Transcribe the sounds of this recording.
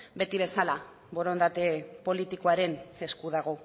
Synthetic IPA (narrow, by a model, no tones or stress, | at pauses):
be̞t̪iβ̞e̞sala | βo̞ɾo̞nd̪at̪e̞po̞lit̪iko̞aɾe̞ne̞skuðaɣ̞o